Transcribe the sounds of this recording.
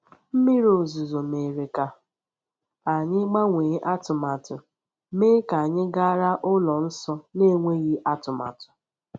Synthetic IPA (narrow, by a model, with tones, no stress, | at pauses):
m̩˦mi˦ɾo˨zu˨zo˨me˨ɾe˨ka˨ | a˨ɲɪ˦ɡ͡ba˦ŋʷeː˨˦ʔa˦tʊ˨ma˨tʊ˨ | meː˦ka˨ɲɪ˦ɡa˦ɾa˦ʔʊ˦lɔ˨n̩˦sɔ˦ne˦˨ŋʷe˦ɣi˦ʔa˦tʊ˨ma̰˨tʊ̥˨